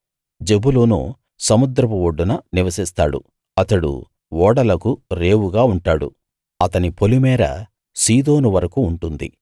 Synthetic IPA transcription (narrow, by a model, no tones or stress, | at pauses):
d͡ʒebulonṵ | sɐmud̪ɾɐpuwoɖːunɐniʋɐsist̪a̰ːɽṵ | ɐt̪ɐɽṵ | ʋɔːɽɐlɐkuɾe̞ːwuɡaːuɳʈaːɽṵ | ɐt̪ɐnipʰo̞limɛːɾɐ̰ | siːd̪o̞ːnuʋɐɾɐkuːɳʈund̪ḭ